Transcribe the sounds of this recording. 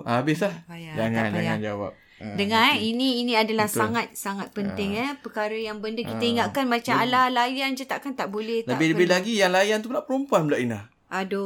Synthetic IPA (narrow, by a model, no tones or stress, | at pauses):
abɪslahbajad͡ʒaŋand͡ʒa̰ja̰nd͡ʒawa̰p̚ | dəŋãiniːnĩadalahsaŋat̪̚saŋat̪̚pənt̪ɪŋɛpəkaɾəjaŋbəndəkit̪əiŋaʔkanmat͡ʃamalalajand͡ʒət̪aʔkant̪aʔbolɛabiəbilaɡijaŋlajant̪̬unaʔpəɾompuanblaʔinah | ʔado